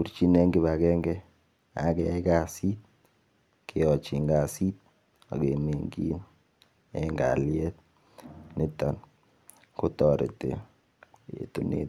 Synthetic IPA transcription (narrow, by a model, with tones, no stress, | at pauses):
ku˨ɾt͡ʃi˦ne˦ŋɡi˦βa˨kɛ˦ŋɡɛ˦ | a̰˨˦kɛ˨˦ka˦˨si˦t̪̚ | kʰe˨ɔ˨t͡ʃi˨ŋɡa˨si˦t̪̚ | a̰˨ɡe˨me˨ŋɡḭ˦n | e˦ŋɡa̰˨ljɛ˦t̪̚ | nɪ˦ta˨n | kʊ˦tɔ˨ɾḛ˨tḛ˨ | ḛ˨tu˦nḛ˦t